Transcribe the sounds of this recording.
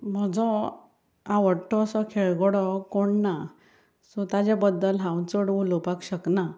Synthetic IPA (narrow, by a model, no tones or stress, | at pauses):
m̤əd͡zɔ | ãʋəɽʈːɔəsɔkʰeɭɡɔɽɔkoɳna | sɔt̪ad͡ʑabəd̪ːəlɦãwt͡səɽulopakɕəkna